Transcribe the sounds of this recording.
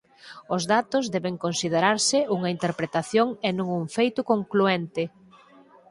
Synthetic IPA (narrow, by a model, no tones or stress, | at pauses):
ʊzðat̪ʊzðɛβeŋkonsið̞eɾaɾsɪuŋɐint̪eɾpɾet̪aθjoŋenõŋuɱfejt̪ʊkoŋkluent̪ɪ